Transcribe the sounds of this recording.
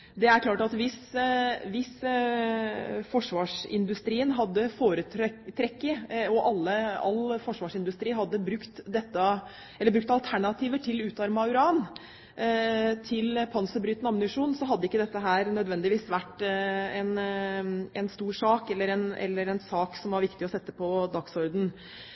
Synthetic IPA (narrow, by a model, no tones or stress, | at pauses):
d̪ɛæɾkʰlɑːʈɑt̪ʋɪsʋɪs | fɔʂʋɑːʂɪ̰nd̪ʉst̪ɾiːənɦɑd̪ːəfoːɾət̪ʰɾɛkːəɔʔɑlːəɑ̰lːfɔʂʋɑːʂɪnd̪ʉst̪ɾiːɦɑd̪ːəbɾʉkt̪d̪ɛt̪ːɑ | ɛlːəbɾʉk̚t̪ɑlt̪ʰæɳɑt̪ʰiːʋəʈʰɪlʉːt̪ɑɾmɑʉɾɑːn | t̪ʰɪlpʰɑnsəbɾyːt̪ənɑmnɪʂuːnsɔɦɑd̪ːəɪkːəd̪ɛt̪ːəɦæːɾnœd̪ʋɛnd̪ɪʋiːsʋæʈːɛn | ɛnst̪uːʂɑːkɛlːəɾɛnʔɛ̰lːəɾɛnsɑːksɔmʋɑɾʋɪkt̪ɪɔsɛt̪ːəpʰɔd̪ɑksɔɾd̪n̩